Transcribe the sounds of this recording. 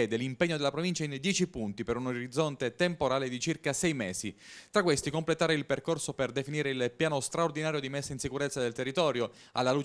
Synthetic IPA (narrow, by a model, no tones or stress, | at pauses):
ɛːd̪elimpeɲːod̪elːapɾovint͡ʃaind̪jɛːt͡ʃipunt̪ipeɾunoɾid̪zːont̪et̪empoɾaːled̪it͡ʃirkasɛjmɛːzit̪ɾakwest̪ikomplet̪aːɾeilperkorsoperd̪efiniːɾeilpjaːnost̪ɾaord̪inaːɾjod̪imesːainsikuɾet̪sːad̪elt̪erːit̪ɔːɾjo | a̰lːaluːt͡ʃ